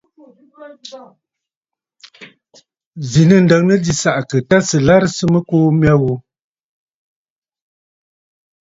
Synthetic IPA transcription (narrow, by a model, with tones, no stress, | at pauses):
zi˨nə˦˨n̩˨də˨ŋnə˦di˦sa˨ʔkə˨ta˦sə˨la˦ɾsə˦mə˦koː˦m˦a˦ɣo˨